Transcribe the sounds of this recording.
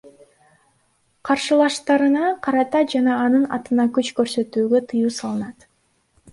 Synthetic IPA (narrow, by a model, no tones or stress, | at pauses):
qʰɑɾʃɯlˠɑʃt̪ɑɾɯnɑqʰɑɾɑt̪ɑd͡ʒɑnɑːnɯnɑt̪ɯnɑkøt͡ʃkø̞ɾsø̞t̪yːɡø̞t̪ʰɯjuːsɑlˠɯnɑt̪